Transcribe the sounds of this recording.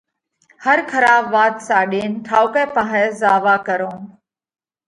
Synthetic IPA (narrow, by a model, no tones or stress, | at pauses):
həɾkʰəɾaːbʋaːt̪saːɗeːnʈ̪ʰaːokɛːpaɦɛːzaːʋaːkəɾõː